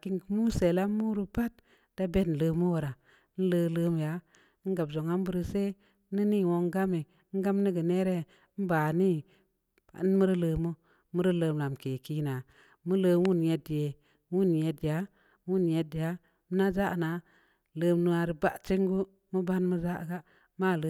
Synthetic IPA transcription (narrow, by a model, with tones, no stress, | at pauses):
ki˦ŋkmu˦se˨la˦mu˦ɾu˦pa˦t̚ | d̥a˦be˦tn̩˨lə˧mu˦wo˨ɾa˨˦ | n̩˦lə˧ləː˦m˨ja˦ | ɡa˨bzo˨ŋa˦m˦bu˦ɾi˦se˦ | ni˦ni˦˨wo˧ŋ˦ɡa˦mi˨˦ŋ̩˦ɡa˦mni˦ɡə˨ne˦ɾe˦ | n̩˦ba˨nḭ˦˨˦ | n˦mu˦ɾi˦ləː˧mu˦ | mu˦ɾi˦ləː˧˦mla˨m˨ke˨ki˦na˨ | mu˦lə˧wu˦nje˨dje˨˦ | wu˦˨n˨je˨˧dja˨˦ | wu˦nje˨dja˨˦ | mə˦na˦za˦˨na˨˦ | ləː˧mnu˧a˨ɾi˨ba̰˦ʔt͡ʃi˦ŋɡu˦ | mu˦ba˦nmu˦za˦˨ɡa˦ | ma˦˨lə˦